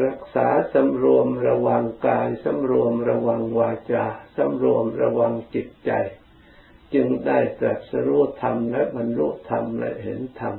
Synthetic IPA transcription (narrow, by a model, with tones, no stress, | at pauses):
ɾa˦˧˥k̚saː˩˦sa˧˦mɾu˧əmɾa˧wa˧ŋkaː˧jsa˧˥mɾu˧əmɾa˧wa˧ŋwaː˧t͡ɕaː˧sa˧˥mɾu˧əmɾa˧wa˧ŋt͡ɕi˨˩t̪̚t͡ɕa˧j | t͡ɕɯ˧ŋdaː˥˩jt̪ɾa˨˩p̪̚sa˧ɾu˦˥˩t̪ʰa˧mla˦˥ba˧nlu˦˥ʔt̪ʰa˧mla̰˦˥he˩˦nt̪ʰa˧m